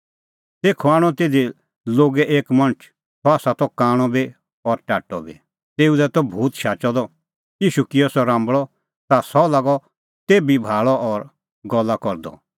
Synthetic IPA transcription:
t̪eːkʰuaːɽ̃ɔ̃t̪eːd̪i | loːɡɛʔeːkmɐ̃nt͡ʃʰ | sɔaːsat̪ɔkaːɽ̃ɔbi | ɔɾʈaːʈːɔbḭ | t̪eːud̪ɛt̪ɔbʱuːt̪ʃaːt͡ʃɔd̪ɔ | iːʃukiɔsɔɾãːmbɭɔ | t̪asɔlaːɡɔ | t̪eːbibʱaːɭɔɔɾ | ɡɔlːakɔɾd̪ɔ̰

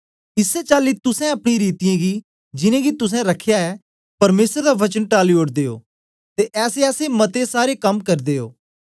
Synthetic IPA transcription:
ɪsɛt͡ʃaːlit̪ʊsɛ̃ɐpɽ̃iɾiːt̪ɪjãɡi | d͡ʒɪnẽːɡit̪ʊs̬ɛ̃ɾɐkʰːjaɛ | pɐɾmeːsəɾd̪aʋɐt͡ʃənʈaːlioːʈd̪eːo̰ː | t̪eʔɛːseɛːsemɐt̪esaːɾekɐmkɐɾd̪eːo̰ː

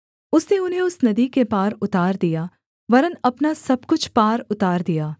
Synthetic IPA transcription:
ʊsneʊnɦẽʊsnɐd̪ikepaːɾʊt̪aːɾd̪ija | ʋɐɾənɐpnasɐb̚kʊt͡ʃʰpaːɾʊt̪aːɾd̪ijaː

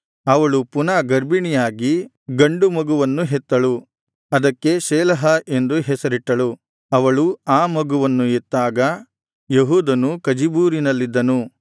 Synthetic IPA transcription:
ɐʋɐɭupunaːɡɐɾbiɳijaːɡi | ɡɐɳɖumɐɡuʋɐnːuɦɛt̪ːɐɭu | ɐd̪ɐkːe̞ʃɛːlɐɦɐʔe̞nd̪uɦɛsɐɾiʈːɐɭu | ɐʋɐɭuaːmɐɡuʋɐnːuet̪ːaːɡɐ | jeɦuːd̪ɐnukɐd͡ʒibuːɾinɐlːid̪ːɐnu

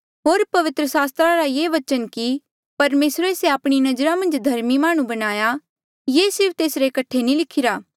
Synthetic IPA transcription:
ɦoːɾpɐʋɪt̪ɾəsaːst̪ɾaɾajeːʋɐt͡ʃənki | pɐɾmeːsɾeːseaːpɽ̃inɐd͡ʒɾamɐ̃nd͡ʒd̪ʱɐɾmimaːɽ̃ũbɐñaːja | jeːsɪɾp̚ʰt̪eːsɾekɐʈʰːenĩlɪkʰɪɾaː

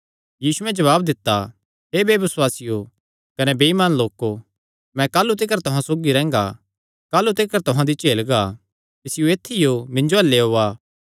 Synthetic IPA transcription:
jiːsuɛ̃d͡ʒɐβaːb̚d̪ɪt̪ːa | ɦebeːbɪswaːsɪjo | kɐnebeːimaːnloːko | mɛ̃kaːlut̪̬ɪkəɾt̪ʊɦãsoːɡiɾɛ̃ːŋɡa̰ | kaːlːut̪ɪkəɾt̪ʊɦãd̪it͡ʃeːlɡa | kɪsɪjũeːt̪ʰːijomɪ̃ɲd͡ʒoɐlːeɦoːaː

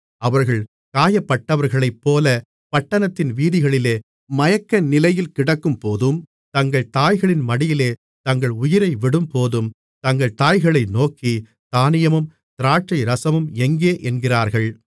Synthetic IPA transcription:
ɐʋɐɾɣɐɭ | kaːjɐpːɐʈːɐʋɐɾɣɐɭɐɪpːoːlɐ | pɐʈːɐnɐt̪ːɪnʋiːðɪɣɐɭɪleː | mɐjɐkːɐnɪlɐjɪlkɪɽɐkːɯmpoːðɯm | t̪ɐŋɡɐɭt̪aːjɣɐɭɪnmɐɽɪjɪleː | t̪ɐŋɡɐɭʊjɪɾɐɪʋɪɽɯmpoːðɯm | t̪ɐŋɡɐɭt̪aːjɣɐɭɐɪnoːkːi | t̪aːnɪjɐmɯm | t̪ɪɾaːʈt͡ʃɐɪɾɐsɐmɯmɛŋɡeːʔɛnɡɪraːɾɣɐɭ

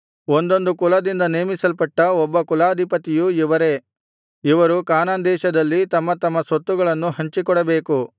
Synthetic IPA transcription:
ond̪o̞nd̪ukulɐd̪ind̪ɐneːmisɐlpɐʈːɐɔbːɐkulaːɐd̪ʱipɐt̪ijuiʋɐɾe̞ | iʋɐɾukaːnaːnd̪ɛːʃɐd̪ɐlːit̪ɐmːɐt̪ɐmːɐsot̪ːuɡɐɭɐnːuɦɐɲt͡ʃikɔɽɐbe̞ːku

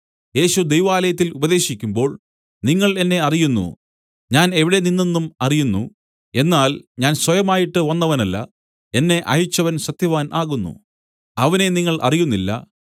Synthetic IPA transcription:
je̞ːɕud̪ejʋaːlɐjɐt̪̬ːilubɐðe̞ːɕikʲːumbo̞ːɭ | niŋːɐɭe̞nːe̞ɐrijunːṵ | ɲaːne̞ʋiɽe̞ninːenːumɐrijunːṵ | e̞nːaːlɲaːnswɐjɐmaːjiʈːɨʋɐnːɐʋɐnɐlːɐ̰ | e̞nːe̞ʔɐjut͡ɕːɐʋɐnɕɐt̪jɐʋaːnʔaːɣunːṵ | ɐʋɐne̞niŋːɐɭʔɐ̰rijunːilːɐ̰

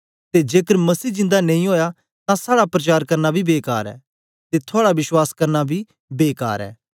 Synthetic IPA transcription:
t̪ed͡ʒeːkəɾmɐsiːd͡ʒɪ̃nd̪anẽĩɦoːja | t̪ãsaːɽapɾɐt͡ʃaːɾkɐɾnabʱibeːka̰ːɾɛ̰ː | t̪et̪ʰʊaːɽaʋɪswaːskɐɾnabʱi | beːka̰ːɾɛ̰ː

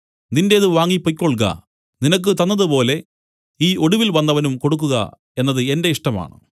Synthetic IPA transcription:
ninde̞ðɨʋaːŋːipːokʲːoɭk̬ɐ̰ | ninɐk̬ːɨt̪ɐnːɐðupo̞ːle̞ | iːʔo̞ɽuʋilʋɐnːɐʋɐnumko̞ɽuk̬ːuɣɐ̰ | e̞nːɐðɨe̞nde̞iʂʈɐma̰ːɳɨ̰

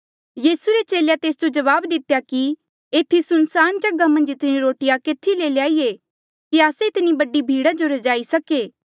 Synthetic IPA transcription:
jiːsuɾet͡ʃeːljat̪eːsd͡ʒod͡ʒɐʋaːbd̪ɪt̪jaki | eːt̪ʰːisʊnsaːnd͡ʒɐɡamɐ̃nd͡ʒɪt̪niɾoːʈɪjakeːt̪ʰileljaːie | kiaːseɪt̪ɪnibɐɖibʱiːɽad͡ʒoɾɐd͡ʒaːisɐkeː

